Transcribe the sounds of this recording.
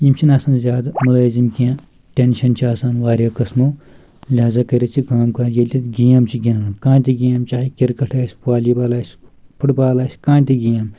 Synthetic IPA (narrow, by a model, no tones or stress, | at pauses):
imt͡ʃʰinaːsaːnzʲaːd̪mulaːzimkʲã | ʈʲenʃɐnt͡ʃʰiaːsaːnʋaːɾʲaːkɐsmo | lʲaːzakɐɾʲɐt͡ʃʰikaːmkɐjelʲit̪ɡijaːmt͡ʃʰiɡʲinaːkãːnt̪ʲiɡiamt͡ʃaːikʲiɾkɐʈʰaːsʲpaːlibaːlaːsʲpʰuʈbaːlaːsʲkãːnt̪ʲiɡijam